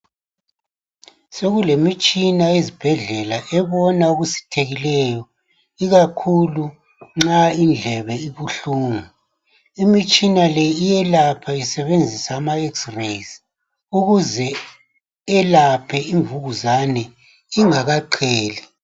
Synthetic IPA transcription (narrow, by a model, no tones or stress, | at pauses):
seɣulemit͡ʃʼinaezib̥ʱɛɮɛlaʔɛβɔnauɣusi̥tʰeɣilɛjɔ | iɣakʰulu | ŋ͡ǁaind͡ɮʱɛβɛiβuɬuːŋu | imit͡ʃʼinalɛijɛlapʰaisɛβend͡zʱisaːmaɛksres | uɣuzɛ | ɛlapʰɛiɱvuɣuzanɛ | iŋaɣaǃʰɛːli